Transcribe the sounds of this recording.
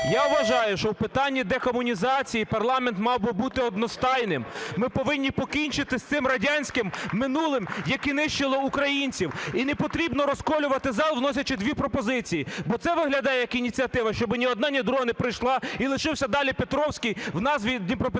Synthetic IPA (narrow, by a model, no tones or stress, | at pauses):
jawʋɐʒɑjʊʃt͡ʃɔwpɪt̪ɑnʲːid̪ɛkɔmʊnʲizɑt͡sʲijipɐrlˠɑment̪mɑwbɪbut̪ɪɔd̪nɔst̪ɑjnɪmmɪpɔʋɪnʲːipɔkʲinʲt͡ʃɪt̪ɪsʲt̪sɪmrɐdʲanʲsʲkɪmːɪnulˠɪmjɐkinɪʃt͡ʃɪlˠɔukɾɐjinʲt͡sʲiwinɛpɔt̪ɾʲibnɔɾɔskɔlʲʊʋɐt̪ɪzɑlˠwnɔsʲɐt͡ʃɪd̪ʲʋʲipɾɔpɔzɪt͡sʲijibɔt̪sɛʋɪɦlʲɐd̪ɑjɛjɐkinʲit͡sʲiɐt̪ɪʋɐʃt͡ʃɔbɪnʲiɔd̪nɑnʲid̪ɾɔnɪpɾɪjʃlˠɑilˠɪʃɪwsʲɐd̪ɑlʲipet̪ɾɔwsʲkʲijwnɑzʋʲid̪ʲnʲipɾɔp